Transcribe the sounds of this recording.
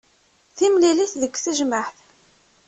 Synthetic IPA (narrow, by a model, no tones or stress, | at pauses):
θimliliθðəkːθəʒməħθ